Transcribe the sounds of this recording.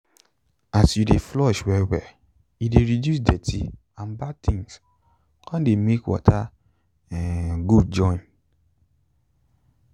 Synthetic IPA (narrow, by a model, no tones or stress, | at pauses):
asjudeflɔʃwɛwɛ | ideɾidjus̬dɛtʰi | ãnbad̚tʰĩŋs | kʰãdemekwɔ̰tʰa | ɛɡud̚d͡ʒɔ̃ĩn